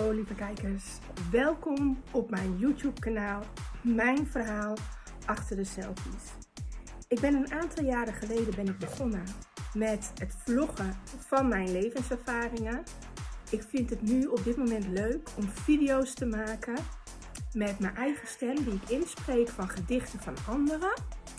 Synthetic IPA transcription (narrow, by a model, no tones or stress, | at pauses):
olivəkɛjkəɹs | ʋɛlˠkɔmɔpmɛjnjuːtjup̚kanaːlˠmɛjnvərɦaːlˠ | ʔɑχtərdəsɛ̰lˠfis | ɪɡ̚bɪnənʔaːntʰɑlˠjaːɾəχəlejdənbɪnɪɡ̚bəχɔnəmɛtətflɔχəfɑnmɛjnlejvənsɛɹfaːrɪŋən | ʔɪkfɪntətnyɔp̚dɪtmomɛntløɥkʰɔmfidijowstəmaːkə | mɛtməjʔɛjχəstɛmdiɪkɪnspreːkfɑnχədɪχtəvɑnɑndərə